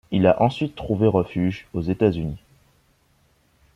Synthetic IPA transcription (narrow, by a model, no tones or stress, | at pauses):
ilaʔɑ̃sɥit̪ːχuveʁəfyʒozet̪azyni